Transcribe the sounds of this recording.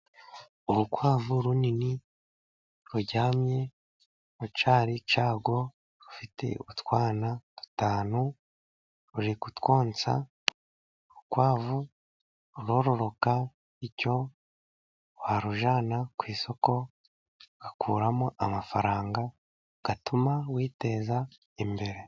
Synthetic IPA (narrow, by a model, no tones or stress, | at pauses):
uɾukwaːvuɾunini | ɾuɟaːmje̞ | ɾut͡ʃaːɾit͡ʃaːɡwo̞ | ɾufite̞̰utwaːnatu̥taːnu | ɾuɾikutwo̞ːnt͡sa̰ | ukwaːvu | ɾuɾo̞ːɾo̞ɾo̞ka | ico̞ | waɾuʒaːnakwiːso̞ko̞ | ɡ̥akʰuːɾamoʔamafaɾaːŋɡa | ɡ̥atumawiːte̞za | imbe̞ɾe